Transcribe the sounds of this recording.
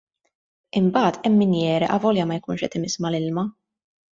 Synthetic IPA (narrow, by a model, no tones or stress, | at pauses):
ɪmbɐːt̪ɛmːɪnjɛːɾɛʔɐvɔljɐmɐjkuːnʃɛ̰t̪ɪmɪsmɐlɪlmɐ